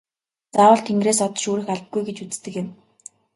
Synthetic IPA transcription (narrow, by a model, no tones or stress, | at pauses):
t͡saːwə̆ɬt̪ʰeŋɡreːsɔt̪ʃuːɾɘ̆xaɮp̪̚ɡujɡet͡ɕut͡st̪ɘ̆kjɪ̆m